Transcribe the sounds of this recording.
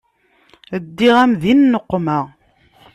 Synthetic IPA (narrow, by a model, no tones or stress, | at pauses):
əd̪ːiʁæmðinːəqːməʁ